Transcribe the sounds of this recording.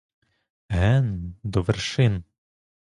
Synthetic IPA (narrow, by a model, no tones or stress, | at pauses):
ɦɛnd̪ɔʋerʃɪn